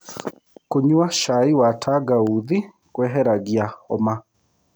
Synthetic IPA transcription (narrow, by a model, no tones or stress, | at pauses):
koɲuaʃaiwatʰaɡauði | kwɛɦɛɾaɣiaɔma